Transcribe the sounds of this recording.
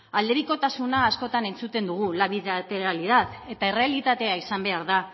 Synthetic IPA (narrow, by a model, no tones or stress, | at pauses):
ald̪e̞ɾiko̞t̪asunaːsko̞t̪ane̞nt͡sut̪e̞nd̪uɣ̞ulaβiðat̪e̞ɾaliðað | e̞t̪aerealit̪at̪e̞aisambe̞aɾða